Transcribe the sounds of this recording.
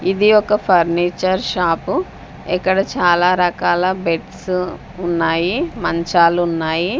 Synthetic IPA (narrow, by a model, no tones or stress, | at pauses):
id̪iɔkɐpʰɐɾniːt͡ʃɐɾʃaːpu | ɛkːɐɽɐt͡ʃaːlaːɾɐkaːlɐbeʈs | unːaːjimɐɲt͡ʃaːlunːaːji